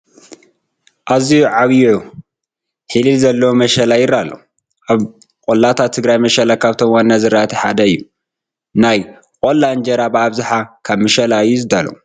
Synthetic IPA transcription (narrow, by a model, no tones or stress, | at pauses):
ʔaziuʕaβjʕu | ħililzɐlːɐwomɐʃɐlajɪɾalːɐ̰ | ʔaβ | kʼolːat̪ʰat̪ʰːɨɡɾajmɐʃɐlakʰaβt̪ʰomwanːazɨɾaʔt̪ʰiħa̰d̪ɐɨjːu | naj | kʼolːand͡ʒɐɾabɨaβzaħakʰaβmɐʃɐlaɨjːuzɨd̪alɐ̰u